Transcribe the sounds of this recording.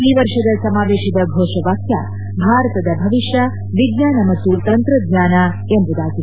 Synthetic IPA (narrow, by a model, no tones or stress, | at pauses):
liʋɐɾʂɐd̪ɐlsɐmaːʋeːʃid̪ɐbʱoːʂɐʋaːkja̰ː | bʱaːɾɐt̪ɐd̪ɐbʱɐʋiʂjɐ | ʋiɡɲaːnɐmɐt̪ːut̪ɐnt̪ɾɐd̪ɲaːna | emb̪ud̪aːɡi